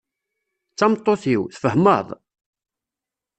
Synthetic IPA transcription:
t͡sːɑmt̪ˤːoθiwθfəhmə̰ðˤ

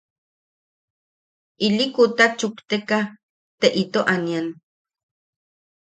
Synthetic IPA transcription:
ilikut̪at͡ʃukt̪eka | t̪eʔit̪oʔanjan

